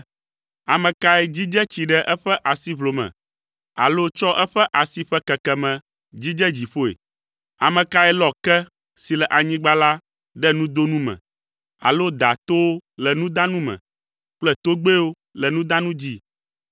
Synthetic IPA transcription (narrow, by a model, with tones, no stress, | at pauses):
a˨mɛ̃˨ka˦ɛ˦d͡ʑi˦d͡ʒɛ˦t͡ɕi˨ɖɛ˦ʔɛ˦ɸɛ˦ʔa˨si˦βlo˨mɛ̰̃˨ | a̰˨lo˦t͡ʃɔ˦ʔɛ˦ɸɛ˦ʔa˨si˦ɸɛ˦kɛ˨kɛ˨mɛ̃˨ | d͡ʑi˦d͡ʒɛ˦d͡ʑi˨ɸo˦ḛ˨ | a̰˨mɛ̃˨ka˦ɛ˦lɔ˨kɛ˦ | si˨lɛ˨ʔa˨ɲĩ˦ɡ͡ba˦la˦ | ɖɛ˦nũ˦d̪o˦nũ˦mɛ̰̃˨ | a̰˨lo˦d̪a˨t̪o˦o˦lɛ˨nũ˦d̪ã˦nũ˦mɛ̰̃˨ | k͡plɛ˦t̪o˦ɡ͡be˦wo˦ | lɛ˨nũ˦d̪ã˦nũ˦d͡ʑi˦